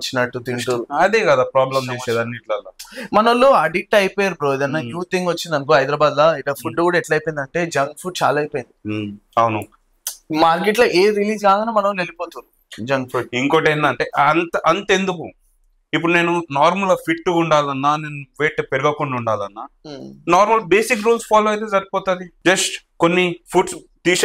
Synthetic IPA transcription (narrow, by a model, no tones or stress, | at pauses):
t͡ʃːinɐʈːut̪iɳʈuɐd̪eːkɐd̪aːpɾaːblɐmt͡ʃt͡ʃeːt͡ʃɛːd̪ɐnːiʈlɐlːamɐnɐɐlːuɐɖiʈːɐjpɔːjaːɾubɾoːd̪ɐnɐjuːt̪iŋɡʋɐt͡ʃːind̪ɐnkuɦɐjd̪ɾɐbaːd̪lɐiʈɐpʰuɖɖeʋuɽɛʈlaɐjpojnd̪ɐɳʈe̞ːd͡ʒɐŋɡfʰuɖ̚t͡ʃa̰ːlaːɐjpoːjind̪iɐwnu | maːɾk̬eʈlɐʔeːɾiliːd͡ʒɡaːɡɐnamɐnɐʋɐlelipoːt̪uɾu | d͡ʒɐŋɡpʰuɖiŋkoʈejnd̪ɐɳʈe̞ːɐnt̪ɐʔɐnt̪end̪uku | ip̬ːuɽune̞ːnunaːɾmɐlɐpʰiʈːuuɳɖaːlɐnːaːneːnuʋeːʈpeɾuɡɐkuɳɖuɳɖaːlɐnːaːnaːɾmɐlbeːsikɾuːlspʰaːloːɐjt̪̬ed͡ʒɐɾipɔːt̪ɐd̪id͡ʒɐsʈkonːipʰuɖs | t̪iːʃ